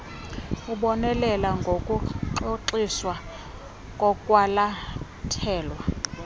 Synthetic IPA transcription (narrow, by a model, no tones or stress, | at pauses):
uɓɔnɛlɛlaŋɡʱokʼuǁoǃiswa | kʼɔkʼwala | tʰɛːlwa